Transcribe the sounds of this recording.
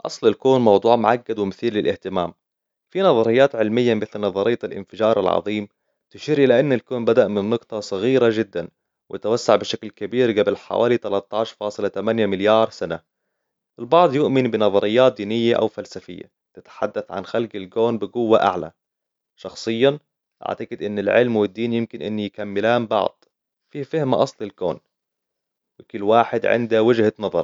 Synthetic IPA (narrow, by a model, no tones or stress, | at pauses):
ʔɑ̰sˤlɪlkuːnmɑwd̪ˤuːʕmʊʕaɡːad̪wɪmɪθiːlːɪlʔɪht̪ɪmaːm | finɑðˤɑɾɪjːaːt̪ʕɪlmɪjːamɪθlnɑðˤɑɾɪjːaalʔɪ̰nfɪd͡ʒɑːɾˤɑ̰lʕɑ̰ðˤiːm | t̪ɪʃiːɾʔɪlaʔɪnːalkoːnbad̪aʔmɪnːʊɡt̪ˤɑsˤɑɣiːɾad͡ʒɪd̪ːan | wɪjat̪awasːaʕbɪʃaklkabiːɾɡabɪlħa̰wʔa̰ːlit̪alɑt̪ˤːɑːʃfɑːsˤɨlat̪amanjamɪljɑːɾˤsana | ʔɪlbɑʕd̪ˤjʊʔmɪnbɪnɑðˤɑɾɪjːaːt̪̚d̪iːnɪjːaʔa̰wfalsafɪjːa̰ | t̪ɪt̪ħad̪ːaθʕa̰nxalɡɪlkoːnbɪɡʊwːaʔa̰ʕla̰ | ʃɑxsˤɨjːa | ʔa̰ʕt̪aɡɪd̪ʔɪnːɪlʕɪlmwɪd̪ːiːnjɪmkɪnʔɪnːijɪkamːɪlaːmbɑ̰ʕd̪̥ˤ | fiːfɪhmaʔɑsˤlɪlko̰ːn | wɪkɪlːwaːħɪd̪ʕɪ̰nd̪awɪd͡ʒhanɑðˤɑ̰ɾˤ